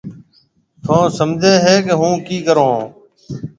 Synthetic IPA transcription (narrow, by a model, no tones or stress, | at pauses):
t̪ʰõːsəmd͡ʒʱẽːɦeːkeɦũːkiːkəɾõː